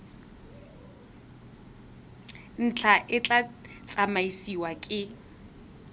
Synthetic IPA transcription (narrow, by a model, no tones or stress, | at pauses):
n̩t͡ɬʰaʔɪt͡ɬat͡sʼamaisiwakʼɪ